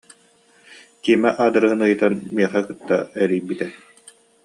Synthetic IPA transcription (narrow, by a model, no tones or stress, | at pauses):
kiːmɛʔaːd̪ɯɾɯɦɯnɯjɯt̪anmiɛχɛkɯt̪ːa̰ɛɾiːbit̪ɛ